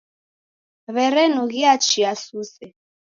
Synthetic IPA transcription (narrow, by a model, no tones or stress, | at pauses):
βɛɾɛnuɣiat͡ʃiasusɛ